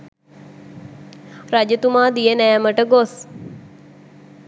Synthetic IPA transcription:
rad͡ʒət̪umaːd̪ijənɛjɛməʈəɡos

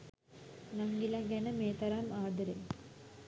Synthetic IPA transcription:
nɐŋɡilaɡɐnɐmeːt̪ɐɾaːmaːd̪ɐɾe

